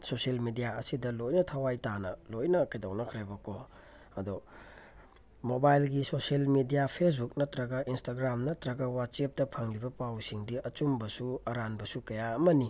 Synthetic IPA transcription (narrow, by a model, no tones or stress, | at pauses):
soselmidijaɐsidɐlojnɐtʰɐwajtanɐlojnɐkɐjdawnɐkʰɾebɐko | ɐdɔ | mobajlɡisoselmidijapʰes̬buk̚nɐtɾɐɡɐʔinstaɡɾamnɐtɾɐɡɐwat̚t͡ʃep̚dɐpʰɐŋlibɐpawsiŋdiɐt͡ʃumbɐsuɐɾanbɐsukɐjaɐmɐni